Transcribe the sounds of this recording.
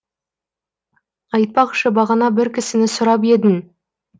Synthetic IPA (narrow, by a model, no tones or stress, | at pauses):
ɑjt̪̚pɑqʃəbɑʁɑnɑbɪɾkʲʰɪsɪnɪsʊɾɑp̬e̞d̪ɪn